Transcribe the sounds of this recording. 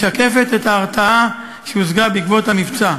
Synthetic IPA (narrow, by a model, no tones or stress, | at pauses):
ake̞fet̪et̪aːʁt͡saa | ʃeuzɡabikvo̞thamift͡sa